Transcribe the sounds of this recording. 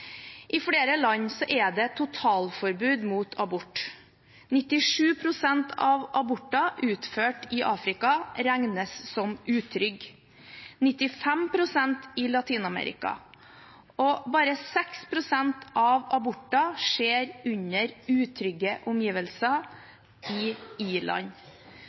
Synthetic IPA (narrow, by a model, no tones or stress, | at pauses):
ʔɪfɽeːɾəlɑɲsɔʔɛd̪ɛt̪ʰʊt̪ʰɑːlfɔɾbʉːd̪muːt̪ʰɑbʊʈː | nɪt̪ːɪʂʉːpʰɾʊsɛnt̪ʰɑʋʔɑbʊʈːɑʔʉːt̪føːʈɪʔɑ̰ːfɾɪkɑɾæŋnəsːɔmʉːt̪ʰɾʏɡ | nɪt̪ɪfɛmpʰɾʊsɛnt̪ɪlɑt̪ʰiːnɑmɛ̰ːɾɪ̰kɑ̰ | ʔɔbɑːɾəsɛkspʰɾʊsɛnt̪ʰʔɑʋɑbʊʈːɑʂeːɾʉɲəɾʉːt̪ʰɾʏɡəʔʊmjiːʋəlsɑ | ɪiːɭɑ̰ɲ